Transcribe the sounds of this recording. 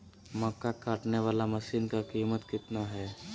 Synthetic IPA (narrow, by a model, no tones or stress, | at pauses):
mɔːkːakaːʈneʋaːlamɐʃiːnkakiːmət̪kɪt̪naɦɛː